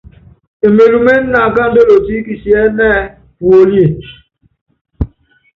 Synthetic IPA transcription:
e˨me˨ɾu˨me˦n̩˦na˨ɡa˦do˦o˨ti˦ki˨si˨e˦nɛː˦ | wo˨li˦e˨

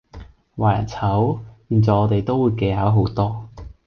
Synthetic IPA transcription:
waː˨˩jɐ̰˨˩t͡sʰɐ˨˥wpiː˨˩nt͡sɔː˨˧ɔː˨˧t̪e˨jt̪o˥wuː˨˧jke˧jɦaː˨˥wɦo˨˥wt̪ɔː˥

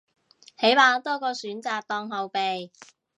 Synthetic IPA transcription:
he˨˥jmaː˨˧t̪ɔː˥kɔː˧syː˨˥nt͡saː˨˧k̚t̪ɔː˧ŋɦɐ˨˧wpe˨j

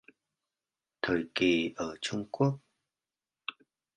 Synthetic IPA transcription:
t̪ʰəː˨˩jki˨˩ʔəː˧˩t͡ɕʊ˧ŋ͡mku˦˥ək̚

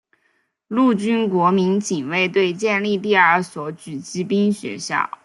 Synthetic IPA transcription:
lu˥˩t͡ɕy˥nkwɔ˧˥mi˧˥nt͡ɕi˨˩ŋwe˥˧ɪt̪we˥˧ɪt͡ɕjɛ˥˧nli˥˧t̪̬i˥˧ə˞˧˥swɔ˧˥t͡ɕy˨˩t͡ɕi˥pi˥nɕɥɛ̰˧˥ɕjɑ̰˥˩ʊ

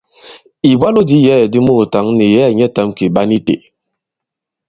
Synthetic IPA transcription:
i˨bwa˦lo˦di˦jɛ˦˨di˦mo˦˨ta˨˦ŋni˨jɛ˦˨ɲɛ˦ta˨˦mki˨ɓa˦ni˦tḛ˨

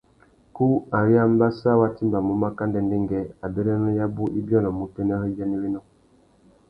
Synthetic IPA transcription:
ku˦a˨ɾi˦a˦m˦ba˦sa˦wa˦ti˦mba˨mu˨˦ma˦ka˦ndɛ˦nde˦ŋɡɛ˦a˨bɛ˦ɾɛ˦nɛ˦ja˦bu˦ʔi˦bɔ˦˨nɔ˨mu˨tɛ˦nɛ˦hɛ˦d͡ʒɛ˦ni˦wi˦nɔ˦˨

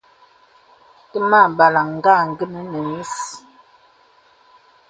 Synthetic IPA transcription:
tə˦ma˦˨ba˨la˨ŋ̩˦ɡa˦˨ŋ˦˨ɡə˦nə˨nə˨mi˦s

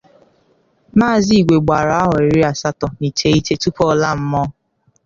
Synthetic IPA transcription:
maː˦˨zi˦i˨ɡʷe˨ɡ͡ba˨ɾa˦ɦɔ˨e˨ɾi˦a˨sa˦tɔ˨ni˨te˨˦i˦te˦tu˦pɔ˦la˦m̩˦mɔ˦

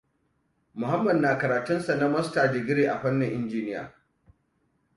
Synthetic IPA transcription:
mʊ˨ha˦mːɐ˨dnaː˨kɐ˨ɾaː˨tʊ˦nsa˨na˦mɐ˦staː˨d͡ʒɪ˨ɡʲɪ˦ɽeː˨ʔa˨ɸɐ˦nːɪ˨ŋʔɪ˦nd͡ʒiː˦nɪ˦ja̰ː˨

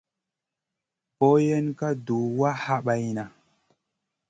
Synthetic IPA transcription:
po˦je˦nka˦do˨wa˦ha˦ɓa˨jna˨

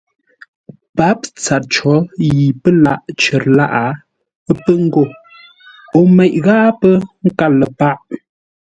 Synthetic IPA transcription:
pa˨˦p̚t͡sa˨t̚t͡ʃɔ˨˦ji˨pə˦la˦˨ʔt͡ʃə˨ɾla˦ʔa˨˦ | pə˦ŋ̩˦ɡo˦˨ | o˨mɛ˨ʔ̚ɣa˦ʔpə˦ŋ̩˦ka˦lə˨pa˦ʔ

